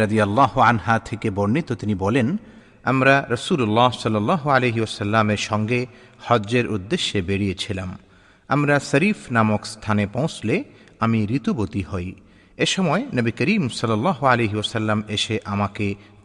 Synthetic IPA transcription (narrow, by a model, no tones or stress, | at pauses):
ɾɐd̪ijɐlːɑɦoanɦat̪ʰekebonːit̪ot̪inibɔlen | a̰mɾaɾəsulolːasɔlːɐlːɑːɦoaleɦiɔsɐlːameɾʃɔŋɡe | hɔeɾʔud̪ːeʃːebeɽijet͡ɕʰilam | amɾasɐɾifnamokst̪ʰanepõw̃sle | amiɾit̪ubot̪ihɔj | eʃɔmɔenɐbikəɾiːmsʌlːɐlːɑːɦoaleɦiɔsɐlːameʃeʔamake